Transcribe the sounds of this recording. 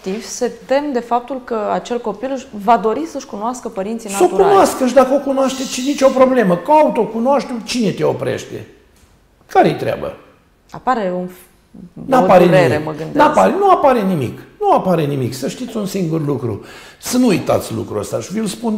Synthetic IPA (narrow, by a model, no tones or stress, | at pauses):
t̪ivse̞t̪e̞md̪e̞fap̚t̪ulkəat͡ʃe̞lko̞pilʃvad̪o̞ɾisəʃkunoaskəpəɾint̪sijnasəokɾunoaskəʃ̬d̪akəo̞kunoaʃt̪et͡ʃizit͡ʃo̞pɾo̞ble̞məkaut̪o̞kunoaʃt̪umt͡ʃine̞t̪eopɾḛʃt̪ḛ | kaɾejet̪ɾea̰bə̰ | apaɾe̞unf | napaɾeɾeɾeməɡɨnd̪neap̪aɾenuapaɾe̞nimḭknuapaɾe̞nimiksəʃt̪it̪sʲunsiŋɡurlukɾṵsənuujt̪a̰t̪sʲlṵkɾuə̰st̪aʃivilspun